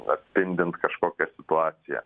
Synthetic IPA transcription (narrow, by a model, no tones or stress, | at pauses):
ɐ̰t̪ʲssʲpʲɪnʲd̪ʲɪnt̪kɐʃkoːkʲɛsʲɪt̪ʊɑːt̪sʲɪjɛ̰